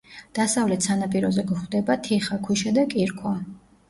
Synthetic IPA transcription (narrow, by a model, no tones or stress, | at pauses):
d̪̥asavlɛt̪sanapʼiɾɔzɛɡɔχd̪ɛbat̪ʰiχakʰuʃad̪akʼiɾkʰʼwa